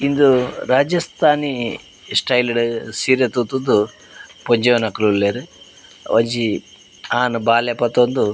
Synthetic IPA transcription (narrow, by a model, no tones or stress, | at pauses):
ind̪uɾaːd͡ʒɐst̪ʰaːni | sʈɐjliɽusiːɾet̪ut̪und̪u | poɲd͡ʒeʋɐnɐklulleːɾu | ʋɐɲd͡ʒi | aːnubaːlepɐt̪ːond̪u